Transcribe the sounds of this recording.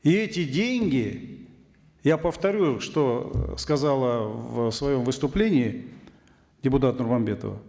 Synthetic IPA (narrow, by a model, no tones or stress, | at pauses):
iɛtʲɪdʲenʲɡʲɪ | japəft̪ɐɾʲuʂt̪o̞skɐzalˠəvsvɐjo̞mvɨst̪ʊplʲenʲɪː | dʲɪpʊt̪at̪nʊrmɐmbʲe̞t̪ə̰və̰